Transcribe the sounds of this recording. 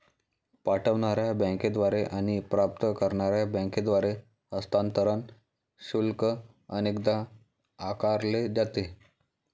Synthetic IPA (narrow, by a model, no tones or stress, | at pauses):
paʈəʋɳaɾjabə̃ked̪ʋaɾeʔaɽ̃ipɾap̚t̪əkəɾɳaɾjabə̃ked̪ʋaɾe | əst̪ʰant̪əɾən | ɕulkə | ə̰nekd̪a | akaɾled͡ʑat̪e